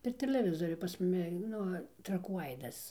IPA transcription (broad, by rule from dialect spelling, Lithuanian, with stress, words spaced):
pʲɛr tʲɛlʲɛˈʋʲɪzoːrʲʊ pɐs ˈmʊmʲɪ ˈnʊ trɐˈkuː ˈɐɪdɐs